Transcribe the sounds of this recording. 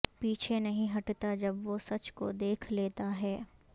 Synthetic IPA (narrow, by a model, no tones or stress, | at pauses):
piːt͡ʃʰenɐɦĩɦɐʈt̪ad͡ʒɐbʋosɐt͡ʃko̰d̪eːkʰleːt̪aɦɛː